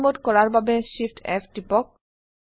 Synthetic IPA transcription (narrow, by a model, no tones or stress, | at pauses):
mot̪kɔɾaɾbabeʃifʈʰɛ̰fʈipɔk̚